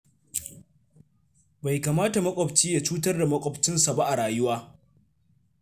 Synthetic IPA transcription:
ba˨jkaː˨maː˦ta˨mɐ˦kʷʼɔ˨bt͡ʃiː˦ja˨t͡ʃuː˦t̬ɐ˦rda˨mɐ˦kʷʼɔ˦bt͡ʃɪ˦nsa˨ba˦ʔa˨ɽaː˨jʊ˦waː˦

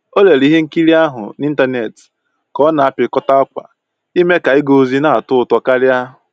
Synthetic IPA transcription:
o˦le˨ɾi˦ɦe˦ŋ̩˦ki˦ɾi˦a˦ɦʊ̰˨ni˦n̩˦ta˦ne˨t | kɔ˦na˨a˦pɪ˨kɔ˦ta˦ɔ˦kʷa̰˨ | i˦me˦ka˨i˦ɡo˨˦zi˦na˦˨a˨tʊ˦ʊ˨tɔ˨ka˦ɾɪ˦a˦ɦʊ˨

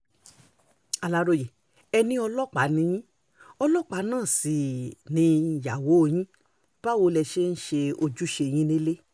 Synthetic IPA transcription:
a˧˨la˨˦ɾo˨˧˨je˨ | ɛ˧nĩ˦ɔ˧lɔ˦˨k͡pa˨˦nĩ˨˧˦j̃ĩ˦ | ɔ˧lɔ˦˨k͡pa˨˦nãː˦˨si˨nĩ˧˨ja˨wo˨˦˧j̃ĩ˦ | b̥a˦wo˧lɛ˧ʃe˦n̩˦ʃe˧o˧d͡ʒu˦ʃe˧˨j̃ĩ˦nĩ˦le˦

